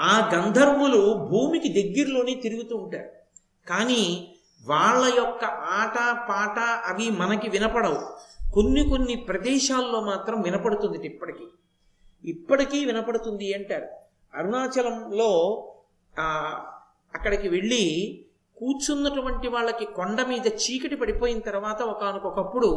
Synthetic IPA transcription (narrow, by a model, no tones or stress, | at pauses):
aːɡɐnd̪ʱɐɾmulubʱuːmikid̪ɐɡːiɾulo̞ːneːt̪iɾuɡut̪uːɳʈa̰ːɾu | kaːniː | ʋaːɭːɐjɔkːɐʔaːʈɐpaːʈɐɐʋimɐnɐkiʋinɐpɐɽɐwuko̞nːiko̞nːipɾɐd̪ɛːʃaːlːo̞ːmaːt̪ɾɐmʋinɐpɐɽut̪und̪iʈipːɐʈikiː | ipːɐʈikiːʋinɐpɐɽut̪und̪iɐɳʈaːɾu | ɐɾunaːt͡ʃɐlɐmlo̞ː | ɐkːɐɽikiʋe̞ɭːi | kuːɾt͡ʃunːɐʈuʋɐɳʈiʋaːɭːɐkikoɳɖɐmiːd̪ɐt͡ʃiːkɐʈipɐɽipo̞ːjinɐt̪ɐɾuʋaːt̪ɐɔkɐnukɔkɐpːuɽu